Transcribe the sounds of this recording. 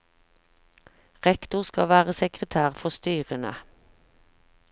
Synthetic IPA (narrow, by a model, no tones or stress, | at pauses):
ʁɛkt̪ʊʁskɑʋæːʁəsɛkʁət̪ʰæːʁfɔʁst̪yːʁənə̰